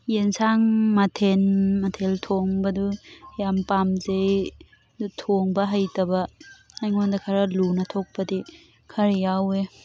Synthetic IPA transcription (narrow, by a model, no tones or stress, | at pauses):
jensaŋmatʰenmɐtʰeltʰoŋbɐdujampamzej | dutʰoŋbɐɦajtɐbɐajŋondɐkʰaɾɐlunɐtʰok̚pɐdi | kʰɐɾejawe